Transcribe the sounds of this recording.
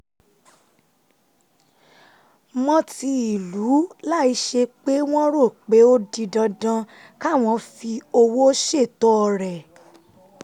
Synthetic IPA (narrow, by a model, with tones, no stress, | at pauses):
mɔ̃˦ti˧i˨lu˨˦la˦˨i˧ʃe˧k͡pe˦w̃ɔ̃˦ɾo˦˨k͡pe˨˦o˦di˧dã˧dã˧ | ka˦˨w̃ɔ̃˧fi˧o˧wo˦ʃe˦˨tɔ˦ɔ˧ɾɛ˨